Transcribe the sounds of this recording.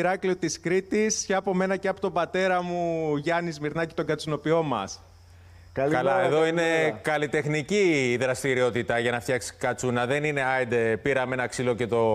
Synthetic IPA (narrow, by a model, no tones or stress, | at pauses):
ɾɐkliot̪iskɾit̪isçɐɐpo̞me̞nɐceɐpo̞t̪o̞bɐt̪e̞ɾɐmuʝɐnizmiɾnɐci̥t̪o̞ɡɐt͡suno̞pio̞mɐs | kkɐlɐeðo̞ine̞kɐlit̪e̞xniciðɾɐst̪iɾio̞t̪it̪ɐʝɐnɐft̪çɐksi̥kɐt͡sunɐðe̞nine̞ɐjd̪epiɾɐmenɐksilo̞ce̞t̪o̞